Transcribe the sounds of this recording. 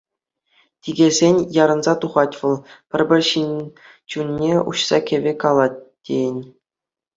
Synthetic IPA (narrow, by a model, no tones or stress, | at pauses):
tʲiɡʲezʲenʲjɑɾɤ̆nzɑt̪uʁɑtʲʋɤ̆lˠpʲɘ̆rʲbʲɘ̆rʲɕinʲ | t͡ɕunʲːeṵɕsɑkʲĕʋʲekɑlˠɑt̚ʲtʲːejɘ̆nʲ